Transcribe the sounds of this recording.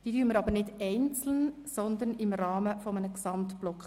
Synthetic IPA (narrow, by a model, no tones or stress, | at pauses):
d̪̥iːdyːɾməɾɑbəɾnɪdɛɪnt͡sl̩n | sɔnd̪ənɪmɾɑːməfɔmənəksɑmtb̥lɔkχə